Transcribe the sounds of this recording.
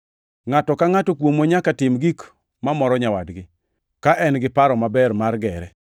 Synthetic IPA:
ŋatɔkaŋatɔkwomoɲakatɪmɡik | mamɔɾɔɲawadɡɪ | kaʔɛnɡɪpaɾɔmabɛɾmarɡɛɾɛ

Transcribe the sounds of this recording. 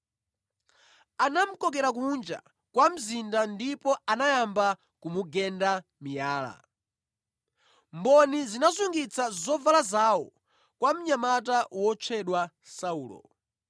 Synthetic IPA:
anam̩kɔkɛɾak̬und͡ʒa̰ | kwam̩zindandipɔanajamba | kumuɡɛndamijaːla̰ | mbɔnizinazuŋɡit͡sʰazɔvalazawɔ̰ | kwam̩ɲamatawɔt͡ʃʰɛɗwa | sauːlɔ̰

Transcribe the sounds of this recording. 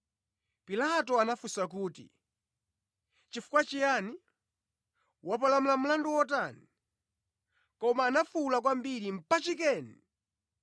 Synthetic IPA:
pilatɔanafusakuːtḭ | t͡ʃifu̥kwat͡ʃijani | wap̬alamulam̩landuwɔt̬ani | kɔmaːnafulak̬wambiɾim̩pat͡ʃik̬ɛːni

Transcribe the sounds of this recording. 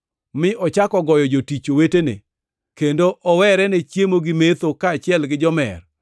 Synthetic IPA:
mɪʔɔt͡ʃakɔɡɔjɔd͡ʒotit͡ʃowetenḛ | kendoʔɔwɛɾɛnet͡ʃjemoɡɪmet̪okaːt͡ʃɪɛlɡɪd͡ʒɔmɛ̰r

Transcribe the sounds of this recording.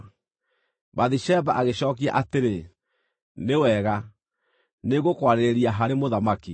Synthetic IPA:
baðiʃɛbaʔaɣeɕɔːkia̰ʔateɾe | newɛɣa | neɣokwaɾeɾeɾiaɦaɾemoðamaki

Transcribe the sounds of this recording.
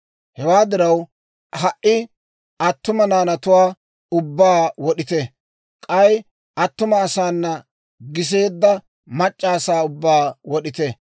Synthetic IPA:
hɛwaːd̪ɪɾɐw | hɐʔɪ | ɐt̪ːʊmɐnaːnɐt̪ʊwaː | ʊbːaːwɔɗɪt̪ɛ | kʼɐj | ɐt̪ːʊmɐːsaːnːɐ | ɡɪs̬e̞ːd̪ːɐ | mɐt͡ʃʼːaːsaːʊbːaːwɔɗɪt̪ɛ

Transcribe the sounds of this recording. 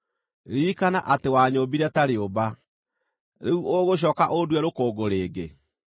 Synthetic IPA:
ɾiːkana̰ʔatewaːɲoːbiɾɛtaɾeoba | ɾeuʔoɣoɕ̬ɔːkaʔoduɛɾokoːɡoɾeːɡe

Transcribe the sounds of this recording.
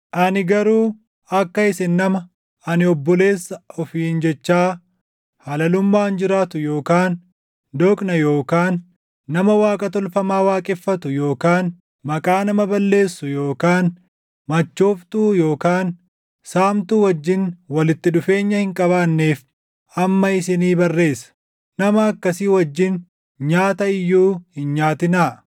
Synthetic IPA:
ʔɐnɪɡɐɾuː | ɐkːɐɪsɪnːɐmɐ | ɐnɪɔbːɔle̞ːsːɐɔfiːnd͡ʒɛt͡ʃːaː | hɐlɐlʊmːaːnd͡ʒɪɾaːt̪ʊjoːkaːn | d̪ɔkʼnɐjo̞ːkaːnː | ɐmɐwaːkʼɐt̪ɔlfɐmaːwaːkʼɪfːɐt̪ʊjo̞ːkaːn | mɐkʼaːnɐmɐbɐlːe̞ːsːʊjo̞ːkaːn | mɐt͡ʃːoːft̪uːjo̞ːkaːn | saːmt̪uːwɐd͡ʒːɪnwɐlɪt̪ːɪᶑʊfe̞ːɲːɐhɪŋkʼɐβaːnːeːf | ɐmːɐɪsɪniːbɐrːe̞ːsːɐ̥ | nɐmɐːkːɐsiwɐd͡ʒːɪn | ɲaːt̪ɐɪjːuːhɪnɲaːt̪ɪnaː

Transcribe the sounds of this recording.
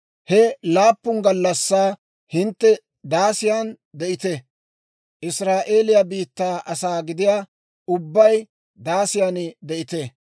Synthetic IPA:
hɛlaːpːʊŋɡɐlːɐsːaː | hɪnt̪ːɛ | d̪aːsɪjaːn | d̪ɛʔɪt̪ɛ | ʔɪsɾaːʔe̞ːlɪjɐbiːt̪ːaːʔɐsaːɡɪd̪ɪjaː | ʊbːɐj | d̪aːsɪjanɪd̪ɛʔɪt̪ɛ

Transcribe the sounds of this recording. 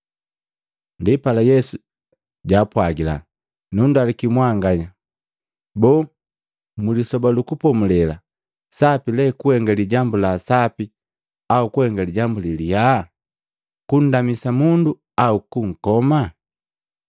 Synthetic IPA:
ndipalajɛsu | ɟaːpwaɡila̰ | nundalikimwaŋɡaɲa | bɔː | mulisɔbalukupɔmulɛla | sapilɛkuhɛŋɡaliɟambulasapi | aukuhɛŋɡaliɟambuliliha | kun̩damisamundu | aukuŋ̩kɔma

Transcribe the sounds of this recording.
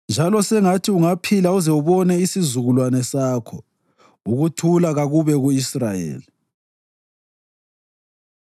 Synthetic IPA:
nd͡ʒʱalɔsɛŋatʰiuŋapʰilauzɛuβɔnɛisizuɣulwanɛsaːkʰɔ | uɣutʰulaɣaɣuβɛɣuisrajḛːli

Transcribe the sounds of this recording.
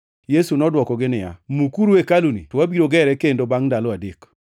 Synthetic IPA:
jesunɔdwɔkɔɡɪnɪja̰mukuɾekalunḭtɔwabiɾoɡɛɾɛkendobaŋdalɔadek

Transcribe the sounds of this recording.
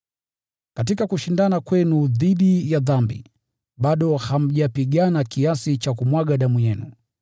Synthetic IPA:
kat̬ikakuʃindanakwɛnuðiɗijaðambḭ | ɓaɗɔham̩ʄapiɡanakiasit͡ʃakumwaɡaɗamujɛnu

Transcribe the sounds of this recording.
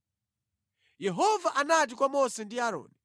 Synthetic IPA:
jɛɦɔvaʔanat̬ikwamɔsɛndiaɾɔ̰ːni

